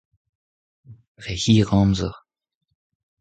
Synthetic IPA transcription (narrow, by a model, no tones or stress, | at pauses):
ʁɛhiːʁɑ̃ːmzəʁ